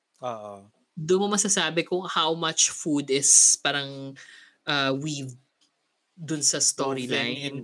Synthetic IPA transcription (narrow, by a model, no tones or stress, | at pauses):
oʔo | d̪ʊnmɐmɐsasaːbɛkʊŋhawmɐt͡ʃfud̪ɪspaːɾɐŋ | ʔaːwiv | d̪ʊnsɐst̪oːɾilajnʔɛn